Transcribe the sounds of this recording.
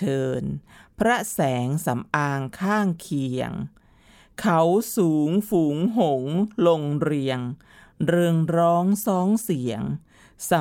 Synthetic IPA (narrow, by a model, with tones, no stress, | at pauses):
ɤː˧npʰɾa˦˥sɛː˩˦ŋsa˩˦mʔaː˧ŋkʰaː˥˩ŋkʰi˨˩əŋ | kʰa˨˩˦wsuː˩˦ŋfuː˩˦ŋɦo˩˦ŋlo˧ŋɾi˧əŋ | ɾɯ˧ŋɾɔː˦˥ŋsɔː˦˥ŋsi˩˦əŋ | sa˨˩˦